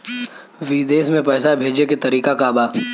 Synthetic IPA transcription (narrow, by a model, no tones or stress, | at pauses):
ʋiːd̪eːsmẽpɛːsabʱeːd͡ʒeket̪ɐɾiːkakabaː